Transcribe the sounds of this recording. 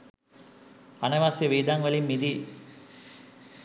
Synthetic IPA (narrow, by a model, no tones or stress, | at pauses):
ɐnɐʋaːsjɐʋiːd̪aŋʋɐlimːid̪i